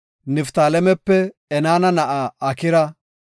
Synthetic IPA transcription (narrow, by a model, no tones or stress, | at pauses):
nɪft̪aːlɛmɛpːɛ | ɛnaːnɐnɐʔaɐkɪɾɐ